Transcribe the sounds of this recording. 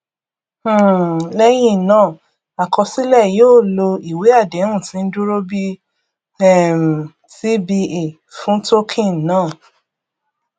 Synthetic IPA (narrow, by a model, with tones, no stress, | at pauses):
lɛ˦j̃ĩ˦˨nãː˦˨ | a˨kɔ˧si˦lɛ˦˨joː˦˨lo˧i˨we˨˦a˦˨de˨˦ũ˦˨tĩ˨˦n̩˦du˦ɾo˦bi˦ | ɛ˦˨m̩˨ | ti˦bi˧e˨ | fũ˨˦to˦kʰĩ˦˨nãː˦˨